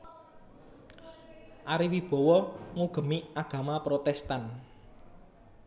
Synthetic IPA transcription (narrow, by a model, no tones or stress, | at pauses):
ʔaɾiwib̥ɔ̤wɔŋuɡ̥ə̤miaɡ̥ä̤mapɾot̪ɛst̪an